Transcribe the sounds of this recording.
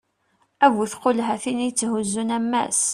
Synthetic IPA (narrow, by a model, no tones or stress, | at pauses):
æviθqolɦæθinijət͡sːɦuzːunæmːæ̰s